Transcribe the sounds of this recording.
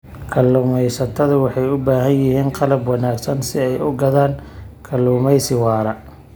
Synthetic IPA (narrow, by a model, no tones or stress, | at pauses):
kʰɐlːʊːmɛjsɐt̪ʰɐðʊwɑħɑjʊbaːɦɐnjɪɦiːnqɑlɐbwɑnaːɡsɐnsɪɛjʊɡɐðaːŋkʰɐlːʊːmɛjsɪwɑːɾɐ